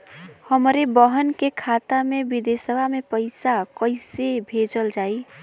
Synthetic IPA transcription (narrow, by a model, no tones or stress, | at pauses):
həmɾebəɦənkekʰat̪amebid̪esəbʱamepəɪsakəɪsebʱed͡ʒəld͡ʒai